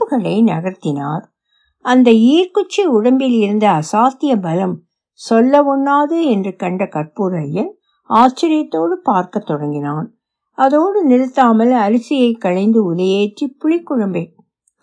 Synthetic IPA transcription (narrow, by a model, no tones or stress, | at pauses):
pːɯɣɐɭɐɪnɐɣɐɾt̪ːɪna̰ːɾ | ɐnd̪ɐiːrkʊt͡ʃːiʊɽɐmbɪlɪɾɯnd̪ɐːsaːt̪ːɪjɐbɐlɐm | sɔlːɐʋɔɳːaːðɯɛndrɯkɐɳɖɐkɐrpuɾɐjːɐn | aːst͡ʃːɪɾɪjɐt̪ːoːɽɯpaːɾkɐt̪ːɔɽɐŋɡɪnaːn | ɐðoːɽɯnɪɾɯt̪ːaːmɐlɐɾɯsɪjɐɪkːɐɻɐɪnd̪ɯʊlɐjeːʈripːʊɻɪkːʊɻɐmbe